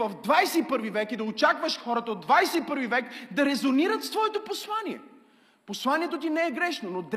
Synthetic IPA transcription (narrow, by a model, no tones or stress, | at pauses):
ɐvd̪vajsɛipɤɾvivɛkid̪ɐot͡ʃakvəʃxɔɾət̪əod̪ːvajsɛipɤɾvivɛkd̪ɐɾɛzoniɾət̪st̪vɔɛt̪oposlˠaniɛ̰ | poslˠaniɛt̪ot̪inɛɛɡɾɛʃnonod̪